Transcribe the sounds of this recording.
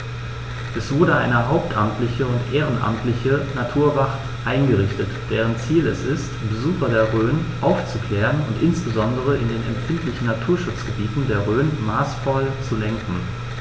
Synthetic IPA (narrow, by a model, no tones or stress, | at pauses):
ʔɛsv̥ʊɐɾəʔa̰ɪnəɦaʊp̚tʰʔa̰mtʰlɪçəʊntʔeːʁ̞ənʔa̰mtʰlɪçənatʰuːɐvaχt | ʔaɪnɡəʁɪçtətd̥eːʁ̞ənt͡siːlɛsɪstb̥əzuːxɐdeːɐʁøːnʔaʊft͡sukl̥ɛːʁənʊntʔɪnsb̥əzɔndəʁ̞əʔɪndeːnɛ̰mfɪntlɪçn̩natʰuːɐʃʊt͡sɡ̥əbiːtn̩deːɐʁøːnmaːsfɔlt͡sulɛŋkŋ̩